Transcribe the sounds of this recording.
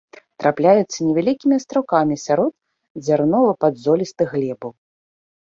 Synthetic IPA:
t̪ɾʔaplʲajut̪sːɐnʲɛvʲalʲikʲimʲiast̪ɾakamʲisʲaɾɔd̪ | zʲarnɔvɨpad̪zɔlʲist̪ɨɣlʲɛbɐw

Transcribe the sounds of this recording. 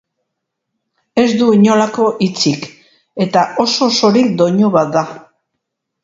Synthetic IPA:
e̞zd̪uiɲo̞lako̞ʔit͡sik | e̞t̪aʔo̞so̞so̞ɾikd̪o̞ɲuβat̪̚d̪a

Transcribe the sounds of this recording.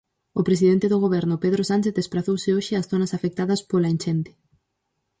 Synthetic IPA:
opɾesiðent̪eðoɣoβɛɾnʊpeðɾosant͡ʃeθðespɾaθowsɪoʃɪasθonɐsafek̚t̪aðɐspolaint͡ʃɛnt̪ɪ̥

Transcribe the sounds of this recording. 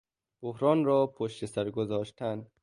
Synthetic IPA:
b̥ohɾɒːnɾɒːpʰoʃt̪esæɾɡozɒːʃt̪ʰæn

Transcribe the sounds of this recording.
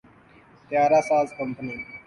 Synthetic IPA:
t̪jaːɾaːsaːzkəmpəniː

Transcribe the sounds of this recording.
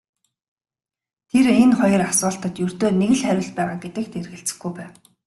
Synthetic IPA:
t̪ʰerenχɔjɞ̆rasʊːɬt̪ə̆t̪jɵr̥t̪oːneɣɘ̆ɮχæɾʲɪ̆ɮpæːʁaːɡet̪ɘ̆k̚t̪ʰerɣɘ̆ɬt͡sɘ̥̆xɡujpæːw

